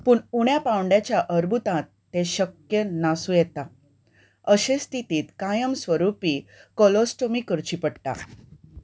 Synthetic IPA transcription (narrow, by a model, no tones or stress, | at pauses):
puːɳuɽ̃japãwɳɖjat͡ɕjaʔəɾbʱut̪ãt̪ːeɕəkjənasũjet̪a | əɕẽst̪ʰit̪iːt̪kajəmsʋəɾupiːkolosʈomiːkəɾt͡ɕipəɽʈ̪a̰